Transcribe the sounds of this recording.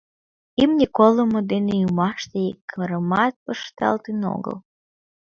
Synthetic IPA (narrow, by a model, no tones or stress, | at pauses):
imnʲikolomod̪enejumɑʃt̪eikːəɾəmɑt̪̚pəʃt̪ɑ̰lt̪eno̰ɡə̰l